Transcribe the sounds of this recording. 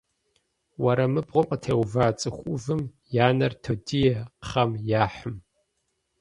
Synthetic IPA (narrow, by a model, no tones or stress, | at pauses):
wɐɾɐmɨbʁʷʊqʼətʰeːwvaːt͡sʼɨxʷʼʊvɨm | jaːnɐrtʰodijɛqχɐmjaːħɨm